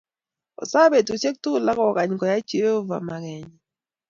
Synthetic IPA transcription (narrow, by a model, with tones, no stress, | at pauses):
ɔ̰˨sa˦be˨tu˨t͡ʃe˦k̚tu˦˨la˦kɔ˨ka˨ɲkɔ˨ja˦t͡ʃi˦o˦va̰˨ma˨ɣɛ˨ɲɛ˨